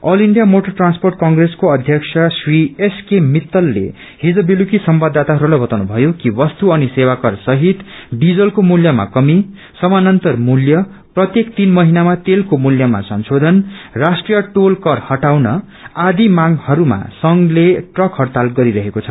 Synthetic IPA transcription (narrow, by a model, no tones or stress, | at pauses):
ʌliɳɖijamoʈʌrʈransporʈ̚kʌŋɡreskoʌd̪ʱjʌksʰasrieskemit̪ːʌlːḛ | hid͡zʌbilukisʌmbad̪ʱːat̪aɦʌɾulajbʌt̪awnubʱʌjokiwʌst̪uʌnisewakʌrsʌɦit̪ɖid͡zʌlkomuljʌma̰kʌmi | sʌmanʌnt̪ʌrmuljʌ | prʌt̪jekt̪inmʌɦinamat̪elkomuljʌma̰sʌnsod̪ʱʌnrasʈrijʌʈolkʌrhʌʈawnʌ | ad̪imaŋhʌɾuma̰sʌŋleʈrʌkɦʌrt̪alɡʌɾiɾʌɦekot͡sʰʌ̥